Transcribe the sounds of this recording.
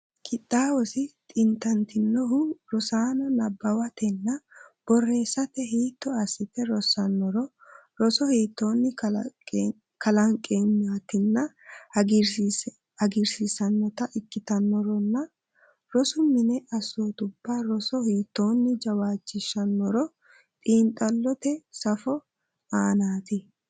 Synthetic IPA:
kɪt̪ʼːaːwɔsɪt̪ʼɪnt̪ɐnt̪ɪnːɔɦʊɾɔsaːnɔnɐbːɐwɐt̪ɛnːɐb̥ɔrːe̞ːsːɐt̪ɛɦiːt̪ːɔɐsːɪt̪ɛɾɔsːɐnːɔɾɔ | ɾɔsɔhiːt̪ːoːnːɪ | kɐlɐŋkʼeːmat̪ɪnːɐɡɾ | ɐɡɪɾsɪsɐnːɔt̪ɐʔɪkːɪt̪ɐnːɔɾɔnːɐ | ɾɔsʊmɪnɛʔɐsoːt̪ʊbːaːɾɔsɔhiːt̪ːo̞ːnːɪd͡ʒɐwaːt͡ʃːɪʃːɐnːɔɾɔ | t̪ʼiːnt̪ʼɐlːɔt̪ɛsɐfɔ | aːnaːt̪ɪ

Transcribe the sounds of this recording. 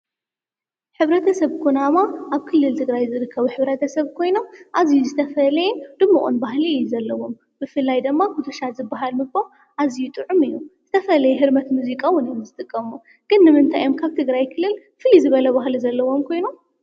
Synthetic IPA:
ħɨβɾɐt̪ʰɐsɐβkʰunamaʔaβkʰɨlːɨlt̪ʰɨɡɾajzɨɾɨkʰːɐβuħɨβɾɐt̪ʰɐsɐβkʰo̞jno̞mʔazijuzɨt̪ʰɐfɐlɐjɛnd̪ɨmːɨʔʼṵnbaɦlijːuzɐlːɐwo̞m | b̥ɨfɨlːajd̪ɨmːakut̪ʰɐʃazɨbːaɦalmɨɡ̚ba | ʔazijut̪ʼɨʕumɨjːuz̥ɨt̪ʰɐfɐlɐjɛɦɨɾmɐt̪muzikʼawʊnjomzɨt̪ʼɨkʼːɐmu | ɡ̥ɨnːɨmɨnt̪ʰajomkʰaβt̪ʰɨɡɾajkʰɨlːɨl | fɨlizɨβɐlɐβaɦluzɐlːɐwo̞mkʰo̞jnom

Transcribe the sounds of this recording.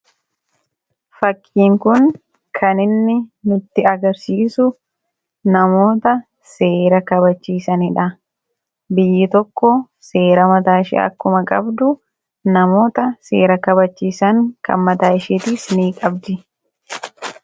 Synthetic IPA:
fɐkʼːiːŋkʊn | kʰɐnɪnːɪnʊt̪ːɪɐɡɐɾsiːsʊ | nɐmo̞ːt̪ɐ | se̞ːɾɐkɐbɐt͡ʃːiːsɐnɪᶑɐ | bɪjːɪt̪ɔkːɔ | se̞ːɾɐmɐt̪aːɪʃɛ̰ɐ̰kːʊmɐkʼɐ̰bd̪ʊ | nɐmo̞ːt̪ɐse̞̰ːɾɐkɐbɐt͡ʃːiːsɐŋkɐ̰nmɐt̪aːɪʃeːt̪iːsniːkʼɐbd̪ɪ

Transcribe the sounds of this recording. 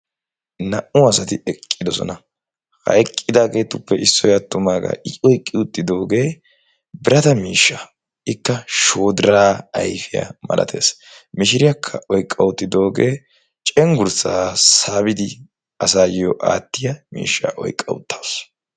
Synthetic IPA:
nɐʔʊɐsɐt̪ɪɛkʼːɪd̪ɔsɔ̰nɐ | hɐ̰ɛkʼːɪd̪aːɡe̞ːt̪ʊpːɛʔɪsːɔjɐt̪ːʊmaːɡa̰ːʔɪɔjkʼːɪʊt̪ːɪd̪o̞ːɡe̞ː | bɪɾɐt̪ɐmiːʃːaː | ɪkːɐʃo̞ːd̪ɪɾaːɐjfɪja̰mɐ̰lʔɐ̰t̪ʰe̞̰ːsmɪʃɪɾɪjɐkʰːɐʔɔjkʼːɐwʊt̪ːɪd̪o̞ːɡeː | t͡ʃʼɛŋɡʊɾsaːsaːbɪd̪ɪ | ɐsaːjɔʔa̰ːt̪ːɪjɐmḭːʃːa̰ːʔɔjkʼːɐ̰wʊ̰t̪ʰːɐws

